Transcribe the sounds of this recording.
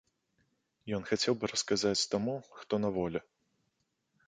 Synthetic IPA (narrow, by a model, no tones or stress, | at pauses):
jɔnxat͡sʲɛwbɨɾɐskazat͡sʲt̪amuxt̪ɔnɐvɔlʲɛ